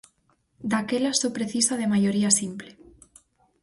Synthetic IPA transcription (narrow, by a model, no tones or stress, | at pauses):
d̪akelasopɾeθisaðemajoɾiasimple